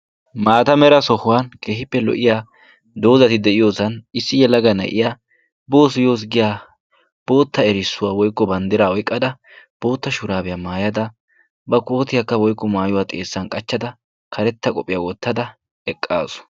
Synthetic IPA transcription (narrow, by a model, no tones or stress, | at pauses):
maːt̪ɐmɛɾɐsɔhʊwaːnke̞ːhɪpːɛlɔ̰ʔɪjaː | d̪o̞ːzɐt̪ɪd̪ɛʔɪjo̞ːsɐnɪsːɪjɛlɐɡɐnɐ̰ʔɪja | bo̞ːs̬ʊjo̞ːs̬ɡɪjaː | b̥o̞ːt̪ːɐɛɾɪsːʊwawɔjkːɔbɐnd̪ɪɾaːɔjkʼːɐd̪ɐ | b̥o̞ːt̪ːɐʃʊɾaːbɛjamaːjɐd̪ɐ | bɐko̞ːt̪ɪjakːɐwɔjkːɔmaːjʊwaːt̪ʼe̞̰ːsːɐnkʼɐt͡ʃːɐd̪ɐ | kʰɐɾɛt̪ːɐkʼɔpʼːɪjawɔt̪ːɐd̪ɐ | ɛkʼːa̰ːsɔ̥